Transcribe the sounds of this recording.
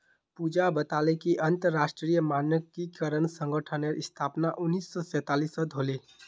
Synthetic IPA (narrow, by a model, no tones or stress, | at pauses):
pud͡ʒabət̪alekiʔənt̪əɾːasʈɾijəmanjəkikəɾənsə̃ŋɡəʈʰəneɾst̪ʰapnaʔʊnːisːɔsɛ̃t̪alisɔd̪ʱole